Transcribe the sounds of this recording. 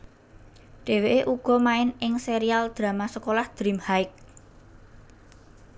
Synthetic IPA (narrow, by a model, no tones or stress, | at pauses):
ɖ̥e̤weʔeʔuɡ̥ɔ̤maɪnɪŋseɾiald̪̥ɾä̤masəkolahd̪̥ɾimhaɪk̚